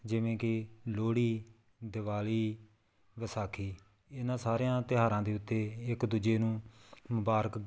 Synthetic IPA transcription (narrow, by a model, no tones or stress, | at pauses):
d͡ʒɪʋẽːkɪloːɽiː | d̪ɪʋaːliː | ʋəsaːkʰiː | ɪnãːsaːɾejãːt̪ɪɦaːɾãːd̪eːʊt̪ːeːɪkd̪ud͡ʒeːnũːmʊbaːɾək